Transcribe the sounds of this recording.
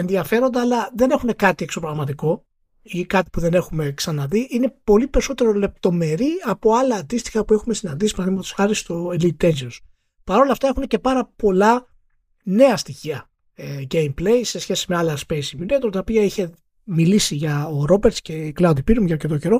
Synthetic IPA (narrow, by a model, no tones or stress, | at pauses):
enðiɐfe̞ɾo̞nd̪ɐːlɐðe̞ne̞xune̞kɐt̪ie̞kso̞pɾoɣmɐt̪iko̞ | ikɐt̪i̥puðe̞ne̞xume̞ksɐnɐðiʔine̞po̞lipe̞ɾiso̞t̪e̞ɾo̞le̞p̚t̪o̞me̞ɾiɐpo̞ɐlɐːnd̪ist̪i̥xɐpue̞xume̞sinɐnd̪isi̥mɐθðimɐt̪o̥sxɐɾist̪oelit̪ezios | pɐɾo̞lɐft̪ɐexunece̞pɐɾɐpo̞lɐ | ne̞ɐst̪içiɐ | eɡejmple̞jse̞sçe̞si̥me̞ɐlɐspe̞jsijunet̪oɾt̪ɐopiɐiçe̞ | milisiʝɐoɾo̞beɾt̪sce̞klɐwd̪ipiɾumʝɐɾce̞t̪o̞ce̞ɾo̞